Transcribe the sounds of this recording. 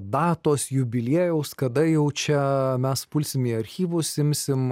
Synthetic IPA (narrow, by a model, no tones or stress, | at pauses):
d̪ɑːt̪oːsjʊbʲɪlʲeːjɛʊskɐd̪ɐjɛʊt͡ʃʲɛmʲɛspʊlʲsʲɪmiɐɾʲxʲiːʋʊsɪmʲsʲɪm